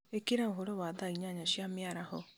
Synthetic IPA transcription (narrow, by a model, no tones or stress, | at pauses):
ekeɾaoɦoɾowaðaiɲaɲaɕiamjaɾahɔ